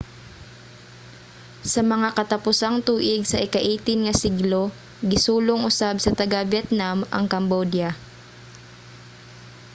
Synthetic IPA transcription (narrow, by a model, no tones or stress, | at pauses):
sɐmɐŋakɐt̪ɐpʊsaŋt̪uːʔɪɡsɐʔɪkɐʔiːt̪ɪnŋɐsɪɡlo | ɡɪsuːloŋʔʊsabsɐt̪ɐɡabjɛt̪namɐ̰ŋkɐmbod̪ja